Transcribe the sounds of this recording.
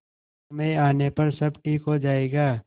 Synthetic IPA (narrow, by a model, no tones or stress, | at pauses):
mẽaːnepɐɾsɐbʈʰiːkɦod͡ʒaːeːɡaː